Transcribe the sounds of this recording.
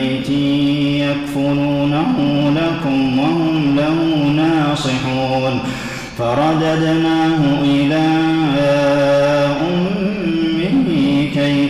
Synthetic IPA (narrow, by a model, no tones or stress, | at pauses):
jt̪ɪjakfʊɾuːnahʊlakʊmwahʊmlahʊnɑːsˤɨħuːn | fɑɾˤɑd̪ad̪naːɦʊʔɪlaː | ʔʊmmː | ɪhkaj